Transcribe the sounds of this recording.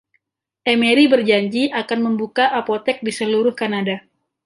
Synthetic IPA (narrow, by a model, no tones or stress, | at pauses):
ʔemeɾibərd͡ʒaɲd͡ʒiʔakanməmbukaʔapot̪ɛk̚disəluɾʊhkanada